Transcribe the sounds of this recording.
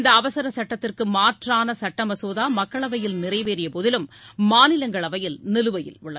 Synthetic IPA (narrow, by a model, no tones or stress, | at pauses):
nd̪ɐːʋɐsɐɾɐsɐʈːɐt̪ːɪrkɯmaːʈraːnɐsɐʈːɐmɐsoːðaːmɐkːɐɭɐʋɐjɪlnɪrɐɪʋeːɾɪjɐpoːðɪlɯmːaːnɪlɐŋɡɐɭɐʋɐjɪlnɪlɯʋɐjɪ̰lʊɭːɐ